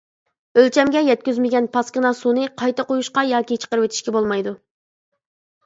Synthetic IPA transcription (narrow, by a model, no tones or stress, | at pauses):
ølt͡ʃʰɛmɡʲɛjɛt̪̚kʲyzmɪɡʲɛnpʰɑskʲɪnɑsunɨqʰɑjt̪ɑqojuʃqɑjɑːkʲit͡ʃʰə̥qəɾwɪt̪ʰi̥ʃkʲɛbolˠmɑjd̪u